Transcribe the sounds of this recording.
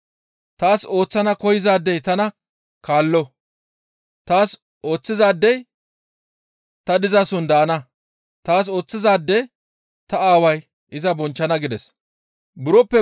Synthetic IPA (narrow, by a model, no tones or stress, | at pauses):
t̪aːso̞ːt͡sːɐnɐkɔjɪzaːd̪ːɛjt̪ɐnɐ | kaːlːɔ | t̪aːs | o̞ːt͡sːɪzaːd̪ːɛj | t̪ɐd̪ɪzasʊnd̪aːnɐ | t̪aːs̬o̞ːt͡sːɪzaːd̪ːɛ | t̪ɐaːwɐj | ʔɪzɐbɔnt͡ʃːɐnɐɡɪd̪ɛs | bʊɾɔpːɛ